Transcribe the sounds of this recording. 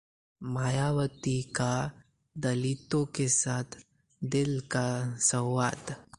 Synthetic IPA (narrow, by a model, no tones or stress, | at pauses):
majaʋət̪ika | d̪əlit̪õkesat̪ʰ | d̪ɪlkasə̃wʋat̪